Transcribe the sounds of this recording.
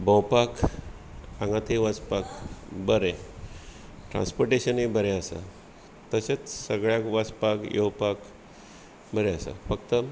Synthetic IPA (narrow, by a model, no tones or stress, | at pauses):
bəwpak | ãŋɡat̪ʰeʋat͡spakbəɾe | ʈɾã̰nspoɾʈeɕənibʱəɾẽasa̰ | t̪əset͡ssəɡɭjakʋat͡spakjowpak | bʱəɾeasa̰fəkt̪ə